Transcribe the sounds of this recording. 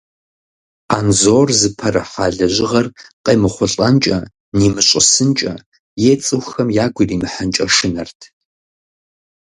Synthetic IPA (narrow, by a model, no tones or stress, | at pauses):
aːnzoːrzɨpʰɐɾɐħaːɮɐʑɪʁɐrqʼeːmɨχʷʊɬʼɐnt͡ʃʼɐ̰ | niːmɨɕʼɪsɨnt͡ʃʼɐ̰ | jet͡sʼɨwxɐmjaːɡʷʊriːmɨħənt͡ʃʼɐʂɨnɐrtʰ